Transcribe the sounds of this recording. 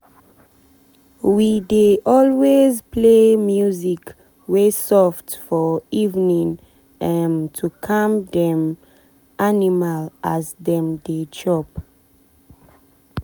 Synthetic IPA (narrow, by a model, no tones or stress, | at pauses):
wideʔɔlwezpʰlemjuzik | wesɔftfɔivnĩŋ | ɛmtʰukʰãmdɛ̃m | ʔanimalʔazdɛ̃mded͡ʒɔp